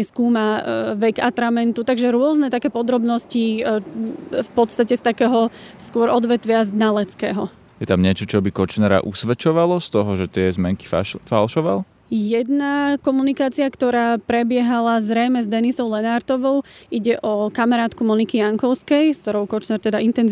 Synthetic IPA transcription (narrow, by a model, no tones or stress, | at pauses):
skuːmaʋɛɡat̪ɾamɛnt̪ut̪aɡʒɛɾʊɔznɛt̪akɛːpɔd̪ɾɔbnɔsci | fpɔt̪st̪acɛst̪akɛːɦɔskʊɔɾɔd̪ʋɛt̪ʋɪaznalɛt͡skɛːɦɔ | jɛt̪amɲɛt͡ʃɔt͡ʃɔbikɔt͡ʃnɛɾa̰ʔṵsʋɛt͡ʃɔʋalɔst̪ɔɦɔʒɛt̪ɪɛzmɛŋki̥ffalʃɔʋal | jɛd̪nakɔmunikaːt͡siakt̪ɔɾaːpɾɛbɪɛɦalazɾɛjmɛzd̪ɛnisɔʊlɛnaɾt̪ɔʋɔʊʔiɟɛʔɔkamaɾaːt̪kumɔnikijaŋkɔʊskɛjskt̪ɔɾɔʊkɔt͡ʃnɛːɾt̪ɛd̪aint̪ɛnz